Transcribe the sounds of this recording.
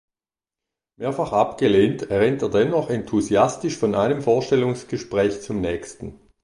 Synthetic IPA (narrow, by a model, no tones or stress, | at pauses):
meːɐfaχʔapɡ̥əleːntʰɛʁɛːnteːɐdɛnːɔχɛntʰuziastɪʃfɔnʔaɪnəmfoːɐʃtɛlʊŋsɡ̥əʃpʁ̥ɛːçt͡sʊmnɛːçstn̩